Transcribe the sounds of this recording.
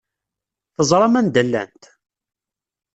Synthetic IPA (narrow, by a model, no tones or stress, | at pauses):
θəzˤɾˤɑmænd̪əlːæ̰nt̪